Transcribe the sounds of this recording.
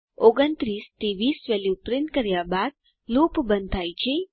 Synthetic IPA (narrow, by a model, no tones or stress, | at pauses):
oɡənt̪ɾist̪iʋisʋɛljupɾɪnʈ̚kəɾjabad̪̚ | lupbənd̪t̪ʰajt͡ʃʰe